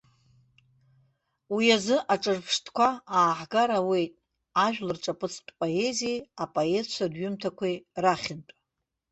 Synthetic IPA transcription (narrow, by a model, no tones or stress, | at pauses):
wiazɨʔaʈ͡ʂʼɨrpʰʂtʰʼkʷʰaaːħɡaɾawe̞jtʼ | aʒᶣlɨrʈ͡ʂʼapʼɨt͡sʰtʼpʼoe̞zieapʼoe̞t͡ʃʷʰadɥʏmtʰakʷʰejraχʲɪntʷʼa